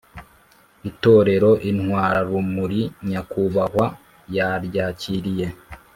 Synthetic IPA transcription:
ito̞ːɾe̞ɾo̞ʔinhwaːɾaɾumuɾiɲakuβahwa | jaɾɟaːciɾije̞

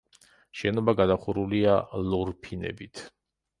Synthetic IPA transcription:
ʃɛnɔbaɡad̪aχuɾulialɔɾpʰinɛ̰bit̪ʰ

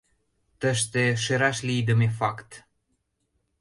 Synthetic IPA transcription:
t̪əʃt̪eʃeɾaʃlʲid̪əmefakt̪

